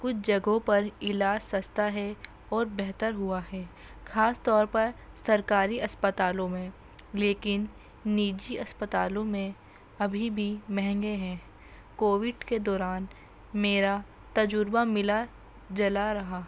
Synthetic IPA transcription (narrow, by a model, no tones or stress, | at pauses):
kʊt͡ʃʰd͡ʒɐɡõpɐɾɪlaːd͡ʒsɐst̪aɦɛ | ɔːɾbɛɦt̪əɾɦʊaɦɛː | xʰaːst̪ɔːɾpɐɾsɐɾkaːɾiʔɐspət̪aːlõmẽ | leːkɪnː | iːd͡ʒiɐspət̪a̰ːlõmẽ | ɐbʱibʱimɛɦɛ̃ŋɡeɦɛ̃ː | koːʋɪɖked̪ɔːɾaːn | meːɾa | t̪ɐd͡ʒʊɾbamɪla | d͡ʒɐlaɾɐɦaː